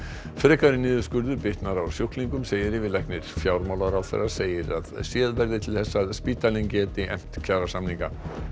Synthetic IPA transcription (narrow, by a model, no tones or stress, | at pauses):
fɾɛːkaɾɪnɪːðʏskʏɾðʏɾpɪht̪naɾawsjowhkliŋkʏmseːjɪɾɪvɪðlɛjknɪɾ̥fjaːwɾmawlaɾawθɛ̰rːḁseːjɪɾa̰ðsjɛːðvɛɾðɪt̪ʰɪlθɛsːaðspiːt̪aliŋcɛːt̪ɪɛ̰m̥t̪cʰaːɾasamniŋka